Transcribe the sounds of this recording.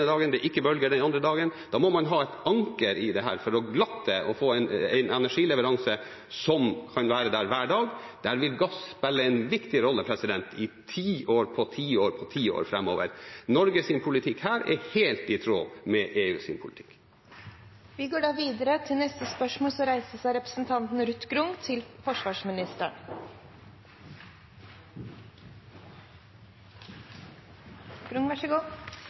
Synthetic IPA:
əd̪ɑːɡənd̪ɛʔɪkːəbœlɡəɖɛnɑnd̪ɾəd̪ɑːɡənd̪̥ɑːmɔmɑnɦɑːɛt̪ɑŋkəɾɪd̪ɛɦæ̰ːɾfɔɾɔɡlɑt̪ːəʔɔfoːæɪnæ̰ɪnɛnæʂiːlɛʋəɾɑŋsə | sɔmkʰɑnʋæːɾəd̪æːɾʋæːɖɑːɡ | d̪̥æːɾʋɪlɡɑsspɛlːəæɪnʋɪkt̪ɪɾɔlːəpʰɾɛsɪd̪ɛnt̪ɪt̪ʰiːʔoːɾpʰɔt̪ʰiːoːɾpʰɔt̪ʰiːo̰ːɾfɾɛmːo̰ːʋə̰ɾnɔɾɡəsɪmpʰʊlɪt̪ʰɪkhæːɾɛ̰ɾheːlt̪ɪt̪ʰɾo̰ːmɛʔeːʉːsy̰mpʰʊlɪt̪ʰɪ̥k | ʋɪɡoːɖɑːʋiːd̪əɾət̪ʰɪlnɛst̪əspœʂmoːlsɔɾæɪsəsæɪɾɛpɾə̥sn̩t̪ʰɑnt̪n̩ɾʉt̪ːɡɾʊŋt̪ʰɪlfɔʂʋɑːʂmɪnɪst̪əɳ | ɡ̥ɾʊŋʋæʂəɡuː

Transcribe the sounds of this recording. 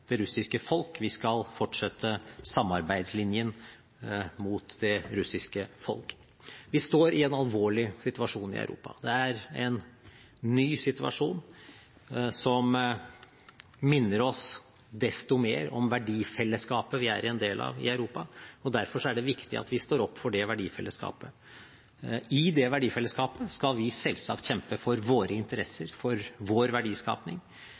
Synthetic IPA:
d̪̥ɛɾʉsɪskəfɔlkʋɪskɑlfɔʈʂɛt̪ʰːəsɑmːɑɾbæɪd̪slɪnjən | muːt̪d̪ɛɾʉsɪskəfɔ̰lk | ʋɪst̪oːɾɪɛnɑlʋoːɭɪsɪt̪ʉɑʂuːnɪ̰œ̰ʉɾṵːpɑ̰d̪ɛæɾɛnː | yːsɪt̪ʉɑ̰ʂuːn | sɔm | mɪnːəɾɔs | d̪ɛst̪ʊmḛːɾɔ̰mʋæɖiːfɛlːəskɑːpəʋɪæ̰ɾɛnd̪eːlʔɑ̰ːʋɪ̰ɑʉɾuːpɑɔd̪æɾfɔʂɔæɖɛʋɪkt̪ɪ̰ɑ̰t̪ʋɪst̪oːɾɔpːfɔɖɛʋæɖiːfɛlːəskɑ̰ːpə | ɪd̪ɛʋæɖiːfɛlːəskɑːpəskɑlʋɪsɛlsɑ̰kt̪çɛmpəfɔɾʋoːɾəɪnt̪əɾɛsːəɾfɔɾʋoːɾʋæɖiːskɑ̰ːpnɪ̰ŋ

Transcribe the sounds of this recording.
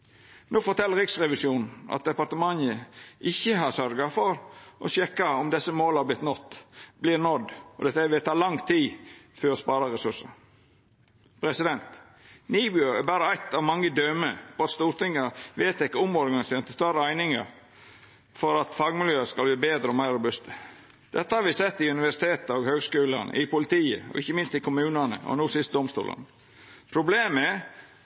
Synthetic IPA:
noːfɔt̪ʰɛlːəɾɪksɾɛʋɪsjuːnn̩ɑ̰t̪̚d̪ɛpɑɾt̪əmɑnəɪçːəɦɑɾsœɾɡɑfɔɾʔɔ̰ɕɛkːɑɔmd̪ɛsəmoːlhæɾblɪt̪nɔt̪ːblɪːɾnɔd̪ɔd̪ɛt̪ːəʋɪt̪ʰɑːlɑŋt̪ʰiːføːɾɔspɑːɾɑɾɛsʉʂə | pʰɾɛsɪd̪ɛnt̪ | niːbʏɔæbæːɾəæɪt̪ɑʋmɑŋːəd̪œməfɔɑt̪st̪uːɾt̪ɪŋːəʋeːt̪ɪkːəʊmɔɾɡɑnɪseːɾnt̪əst̪ɑɾəæɪnɪŋɑ̰ɾ | fɔɾɑt̪fɑɡmɪljøːəskɑlbliːbeːd̪ɾəɔmæɪɾːʊbʉst̪ə | d̪̥ɛt̪ːəhɑɾʋɪsɛt̪ːɪʉnɪʋæʂɪ̥t̪ʰeːt̪əɔɡhøːɡskʉːlə̰nə̰ʔɪpʰʊlɪt̪ʰiːə̰ɔ̰ʔɪçːəmɪnst̪ɪkʰʊmʉːnənə̰ɔ̰nuːsɪst̪̚d̪ɔmst̪ṵːlʔə̰nə | pʰɾʊbleːmɛ

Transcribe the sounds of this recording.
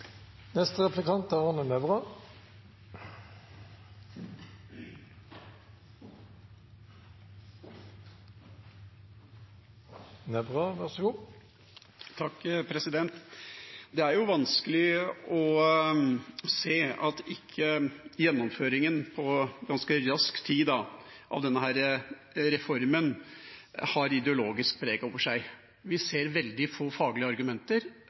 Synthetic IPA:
nɛst̪əʁɛflɪkɑnt̪æʁɑnənɛbʁɑ | nɛbʁɑʋæʁsəɡuː | t̪ʰɑkːpʰɾɛsɪd̪ɛnt̪ | d̪ɛæɾjʊʋɑnskəlɪɔ | seːɑt̪ɪkʰːəjɛnːɔmføːɾɪŋənpʰɔɡɑnskəɾɑskt̪ʰiːd̪ɑ | ʔɑ̰ʋd̪ɛnːəɦæːɾə | ɾɛfɔɾmən | hɑɾɪd̪ɛʊloːɡɪsk̚pʰɾeːɡɔːʋəʂæɪ | ʋɪseːɾʋɛld̪ɪfoːfɑːɡlɪəɑɾɡʉmɛnt̪əɾ

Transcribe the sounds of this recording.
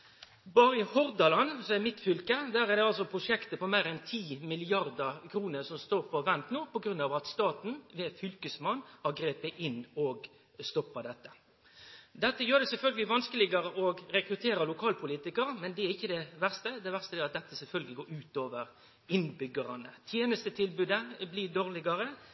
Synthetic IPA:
bɑːɾəɪhɔɾd̪ɑlɑnsɔmæmɪt̪fʏlkəd̪æːɾæd̪ɛɑlsɔpʰɾʊʂɛkt̪əpɔmeːɾɛnt̪ʰiːmɪlɪɑʁd̪ɑkʰɾuːnəsɔmst̪oːɾfɔʋɛnt̪noːpɔɡɾʉnɑːʋɑt̪st̪ɑːt̪n̩ʋɛːt̪fʏlkəsmɑnːhɑɡɾeːpəʔɪnːɔɡ | st̪ɔpːɑd̪ɛt̪ːə | d̪ɛt̪ːəjøːɾd̪ɛsɛlfœlɡəlɪʋɑnskəlɪɡɑɾəʔɔɡɾɛkɾʉt̪ʰeːɾəlʊkʰɑːlpʰʊliːt̪ɪkəɾmɛnd̪ɛæɾɪçːəd̪ɛʋæʁst̪əd̪ɛʋæʁst̪əd̪ɛːɑt̪̚d̪ɛt̪ːəsɛlfœlɡəlɪɡoːɾʉːt̪oːʋəɾ | ɪnːbʏɡəɾɑnə̰t̪ʰjeːnəst̪ət̪ʰɪlbʉːd̪əblɪd̪oːʁlɪɡɑɾə

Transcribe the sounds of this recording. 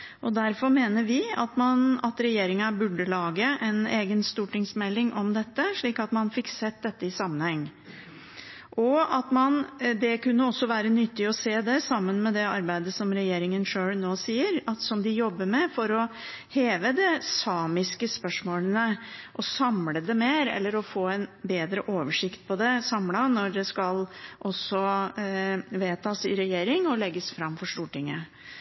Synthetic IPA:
ʔɔd̪æɾfɔɾmeːnəɾʋɪɑt̪mɑnɑt̪ɾɛjeːɾɪŋɑbʉɖəlɑːɡəʔɛneːɡənst̪uːʈɪŋsmɛlːɪŋʔɔmd̪ɛt̪ːəʂɭiːkɑt̪mɑnfɪksɛt̪̚ːd̪ɛt̪ːəɪsɑmːənhɛŋː | ʔɔɑt̪mɑnd̪ɛkʉnːəɔsːɔʋæːɾənʏt̪ːɪɔseːd̪ɛsɑmːənmɛd̪ɛɑɾbæɪd̪əsɔmɾɛjeːɾɪŋənʂøːɭnoːsiːəɾɑt̪sɔmd̪ɪjɔbːəɾmɛfɔɾɔ | heːʋəd̪ɛsɑːmɪskəspœʂmoːlənəʔɔsɑmləd̪ɛmeːɾɛ̰lːəɾɔfoːæɪnbeːd̪ɾəʔoːʋəʂɪkt̪̚pʰɔd̪ɛsɑmlɑnɔɖɛskɑlʔɔsɔ | ʋeːt̪ʰɑːsɪɾɛjeːɾɪŋɔlɛɡːəsfɾɑmːfɔʂʈ̪uːʈɪŋːə

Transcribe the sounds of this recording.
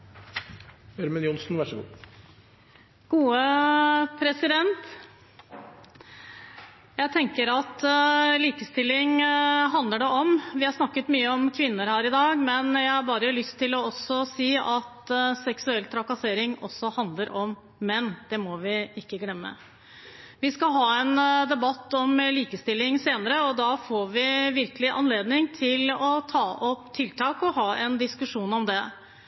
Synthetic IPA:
œɾmənjʊnsnʋæʂəɡṵː | ɡ̥uːə | pʰɾɛsɪd̪ɛnt̪ | jæɪt̪ʰɛŋkəɾɑt̪liːkəst̪ɪlːɪŋɦɑnd̪ləɖɛʔɔmʋɪhɑɾʂnɑkːət̪myːəɔmkʰʋɪnːəɾhæːɾɪd̪ɑːɡmɛnjæɪhɑɾbɑːɾəlʏst̪ʰːɪlɔɔsːɔsiːɑt̪sɛksʉɛlt̪ʰɾɑkɑseːɾɪŋɔ̰sːɔhɑnd̪ləɾʔɔmː | ɛnd̪̥ɛmɔʋɪɪkːəɡlɛmːə̰ | ʋɪskɑɦɑːɛnd̪ɛbɑt̪ːɔmliːkəst̪ɪlːɪŋseːnəɾəɔd̪ɑfoːɾʋɪʋɪɾkəlɪʔɑ̰nleːd̪nɪŋt̪ʰɪlɔt̪ʰɑːʔɔpt̪ʰɪlt̪ʰɑːkɔhɑːʔɛnd̪ɪskʉʂuːnɔmd̪ɛ

